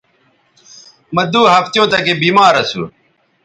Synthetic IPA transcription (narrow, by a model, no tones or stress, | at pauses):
məd̪uːɦɐft̪jõːt̪ɐkebiːmaːɾɐsṵ